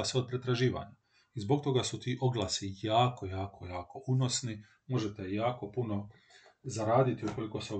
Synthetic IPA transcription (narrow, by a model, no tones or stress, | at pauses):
aseo̞d̪̚pɾe̞t̪ɾaʒiːʋa̰ɲa | izbo̞k̚t̪o̞ɡasut̪iːʔo̞ɡlˠaːsijaːkojaːkʰo̞jaːko̞ʔuno̞sni | mo̞ʒet̪ejaːko̞puno | zaɾaːd̪it̪iuko̞liko̞seo